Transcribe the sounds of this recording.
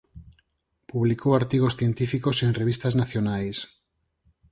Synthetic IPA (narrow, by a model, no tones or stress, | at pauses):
puβlikowaɾt̪iɣosθjent̪ifikosenreβ̞ist̪aznaθjonajs